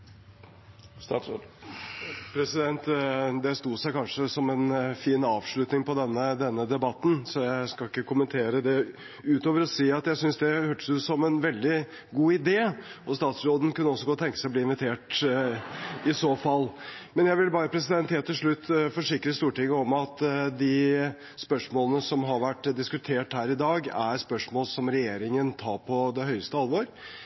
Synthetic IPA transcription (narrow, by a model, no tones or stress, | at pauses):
pʰɾɛsɪd̪ɛnt̪d̪ɛst̪uːsæɪkɑnʂəsɔmɛnfiːnɑːʋʂɭʉt̪nɪŋpɔd̪ɛnːəd̪ɛnːəd̪ɛbɑt̪ːn̩sɔjæɪskɑɪkːəkʰʊmənt̪ʰeːɾəd̪ɛ | ʉːt̪oːʋəɾɔsiːɑt̪jæɪsʏnsd̪ɛhøːʈə̥sʉːsɔmɛnʋɛld̪ɪ | ɡuːɪd̪eːɔst̪ɑːt̪sɾoːd̪ən̩kʉnːəɔsːɔɡoːt̪ʰɛŋkəsæɪɔbliːɪnʋɪt̪ʰeːʈ | ɪsoːfɑlːmɛnjæɪʋɪlbɑːɾəpʰɾɛs̬ɪd̪ɛnt̪heːt̪ʰːɪlʂɭʉt̪ːfɔʂɪkɾəst̪uːʈɪŋːəɔmɑt̪d̪ɪ | spœʂmoːlənəsɔmɦɑɾʋæʈːd̪ɪskʉt̪ʰeːʈhæːɾɪd̪ɑːɡæɾspœʂmoːlsɔmɾɛjeːɾɪŋənt̪ʰɑːɾpʰɔd̪ɛɦœʏəst̪əɑlʋoːɾ